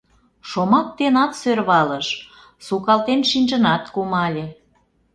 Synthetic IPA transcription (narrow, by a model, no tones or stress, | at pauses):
ʃomɑk̚t̪enɑt̪sørβɑləʃ | sukɑlt̪enʃinʲʒə̆nɑt̪kumɑlʲe